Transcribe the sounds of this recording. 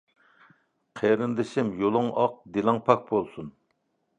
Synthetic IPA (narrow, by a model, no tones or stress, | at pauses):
qʰeɾɪnd̪ɪʃɪmjolˠɨŋɑq̚d̪elˠɑŋpʰɑk̚bolˠsun